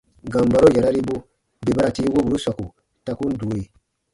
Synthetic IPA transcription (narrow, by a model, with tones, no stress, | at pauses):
ɡã˨mba˨ɾo˦ja˨ɾa˦ɾi˦bu˦ | be˨ba˦ɾa˨ti˦wo˦bu˨ɾu˦sa˨ku˨ | ta˧ku˦n˦du˨˦je˨